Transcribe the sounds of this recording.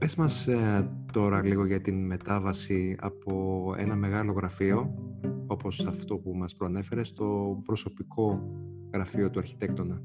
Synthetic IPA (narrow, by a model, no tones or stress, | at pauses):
pesmɐst̪o̞ɾɐliɣo̞ʝɐt̪inme̞t̪ɐvɐsiɐ̰po̞e̞̰nɐme̞ɣɐlo̞ɣɾɐfio̞o̞po̞sɐft̪o̞pumɐspɾoɐne̞fe̞ɾe̞st̪o̞pɾo̞so̞pikʰo̞ | ɣɾɐfio̞t̪uɐɾçi̥t̪e̞kt̪o̞nɐ